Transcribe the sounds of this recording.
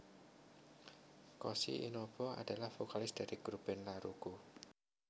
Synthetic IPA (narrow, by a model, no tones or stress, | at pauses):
kɔsḭʔḭnɔb̥ɔa̰d̥a̤lahfokalɪsd̥a̤ɾiɡ̥ɾub̥ɛnlaɾuɡ̥u